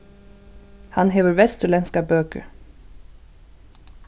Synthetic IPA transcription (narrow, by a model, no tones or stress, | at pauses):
hɑnɦeːʋəɹʋɛst̪əlɛnskɑbøːkə̰ɹ